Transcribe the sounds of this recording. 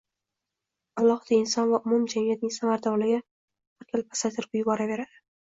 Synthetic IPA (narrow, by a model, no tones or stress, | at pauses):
alˠːɒhɨd̪̥aɪnsɒnvaʔʊmʊmd͡ʒamijat̪̚nɪŋsamaɾd̪ɒɾlɪɡʲa | bɪɾk̪ʰʲɪlpʰasat̪ʰɪɾbʊjʊbɒɾave̞ɾad̪ɪ